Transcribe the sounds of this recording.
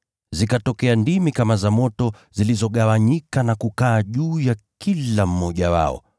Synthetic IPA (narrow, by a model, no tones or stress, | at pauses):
zikatɔkɛandimikamazamɔtɔ | zilizɔɠawaɲikanakukaːʄuːjakilam̩mɔʄawa̰ɔ̰